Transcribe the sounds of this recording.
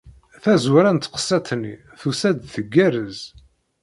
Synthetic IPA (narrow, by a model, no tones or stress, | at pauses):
θæzwɾænt̪qə̥sːæt̪nḭ | θusæd̪θəɡːæɾəz